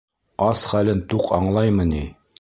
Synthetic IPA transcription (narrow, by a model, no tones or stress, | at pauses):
ɑsχælɘnt̪uqɑ̰ɴlˠɑjmɤni